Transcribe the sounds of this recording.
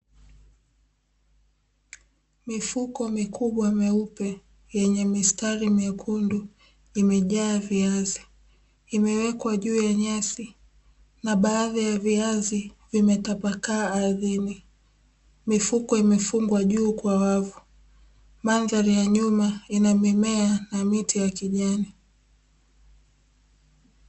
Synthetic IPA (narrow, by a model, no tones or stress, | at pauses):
mifukɔmikʰuɓwamɛupɛ | jɛɲɛmistaɾimɛkʰundu | imɛʄaːviaziː | mɛwɛkwaʄuːjaɲasi | naɓaːðajaviazivimɛtapakaːðini | mifukɔimɛfuŋɡwaʄuːkwawavu | manðaɾijaɲumainamɛmɛanamitijakiʄani